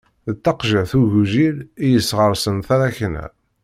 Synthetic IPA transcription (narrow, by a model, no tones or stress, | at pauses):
ðət̪ːɑqʒəʕθuʝuʒilijəsːʁəɾˤsənθaɾæçnæ̰